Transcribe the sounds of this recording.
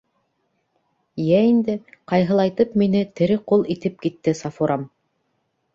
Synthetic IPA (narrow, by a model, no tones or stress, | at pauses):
jæind̪ɘqɑjɦɤ̆lˠɑjt̪ɤpminɘt̪ɘ̆ɾɘqulˠit̪ɘp̚kit̪ːɘsɑfuɾɑm